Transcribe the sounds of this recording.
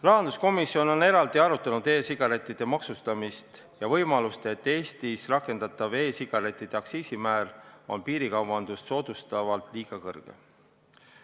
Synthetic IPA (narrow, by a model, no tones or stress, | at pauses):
lɑɦɑnd̪usko̞misːio̞no̞ne̞ɾɑld̪̥iɑɾut̪ːˑɑnud̪e̞ːsiɡ̥ɑɾe̞t̪ˑːid̪̥e̞mɑksust̪ɑmist̪ | jɑvɤ̞jmɑlust̪e̞t̪ːˑe̞ːst̪isrɑkːˑe̞nd̪̥ɑt̪ːˑɑve̞ːsiɡ̥ɑɾe̞t̪ˑːid̪̥e̞ɑksiːsimæːlo̞̰npiːɾikɑwvɑnd̪̥ust̪so̞ːd̪ust̪ɑvɑlt̪liːɡ̥ɑkɤ̰rɡ̥e̞̰